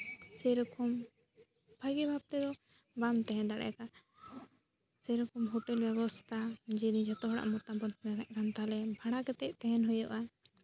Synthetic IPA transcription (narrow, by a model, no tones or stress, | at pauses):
sɛɾɔkʰɔm | bʱaɡɛbʱab̚t̪ɛd̪ɔ | bamt̪ɛɦɛ̃nd̪aɽɛ̰jka | sɛɾɔkɔmɦɔʈɛlbɛβɔst̪ʰad͡ʒid̪id͡ʒat̪ɔɦɔɽa̰ʔmɔt̪abɔnmɛkaʔ̚ɾamt̪alɛbʱaɽ̃akɛt̪ɛʔ̚t̪ɛɦɛnɦɔjɔʔa